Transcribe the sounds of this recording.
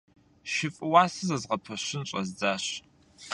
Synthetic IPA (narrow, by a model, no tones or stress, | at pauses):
ʃɪfʼɨwaːsɨzɐzʁɐpʰɐɕɪnɕʼɐzd͡zaːɕ